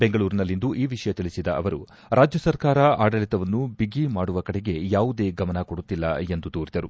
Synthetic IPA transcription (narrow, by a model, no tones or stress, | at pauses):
beŋɡɐɭuːɾinɐlːind̪uʔiːʋiʂɐjɐt̪iɭisid̪ɐɐʋɐɾu | ɾʔaːd͡ʒjɐsɐɾkaːɾɐaːɽɐɭit̪ɐʋɐnːubiɡimaːɽuʋɐkɐɽeɡe̞jaːʋud̪e̞ːɡɐmɐnɐkoɽut̪ːilːɐ̰e̞nd̪ud̪uːɾid̪ɐɾu